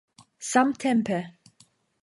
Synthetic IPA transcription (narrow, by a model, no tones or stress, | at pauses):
sãmt̪ʰɛ̃mpʰə